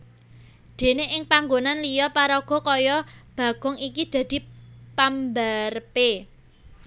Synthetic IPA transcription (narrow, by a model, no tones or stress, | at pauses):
d̪̥e̤neʔɪŋpaŋɡonanlijɔpaɾɔɡ̥ɔ̤kɔjɔb̥ä̤ɡ̥ɔ̤ŋikid̪̥ä̤d̪̥i̤pambarpe